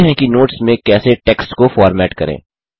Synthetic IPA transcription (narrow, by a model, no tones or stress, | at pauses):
ɦɛ̃kinoːʈsmẽkɛːseʈeːksʈkofɔːɾmɛːʈkɐ̰ɾḛ̃ː